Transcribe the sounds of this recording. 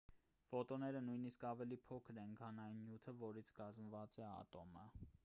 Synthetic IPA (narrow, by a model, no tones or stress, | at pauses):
fɔt̪ɔnɛɾənujniskɑvɛlipʰɔkʰəɾɛnɡʰɑnɑjnːjut̪ʰəvɔɾit͡sʰkɑzmvɑt͡sɛɑ̰t̪ɔmə